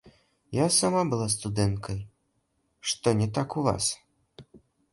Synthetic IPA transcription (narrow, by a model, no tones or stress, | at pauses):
jasamabɨlˠas̬t̪ud̪ɛnkʰɐj | ʂt̪ɔnʲɛt̪akuva̰s